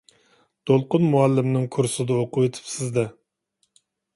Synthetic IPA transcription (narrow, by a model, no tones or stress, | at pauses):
d̪̥olˠqʊnmuɛlːɪmnɪŋkʰuɾsɨd̪ɑoqʰʊwet̪ʰɪ̥psɪzd̪ɛ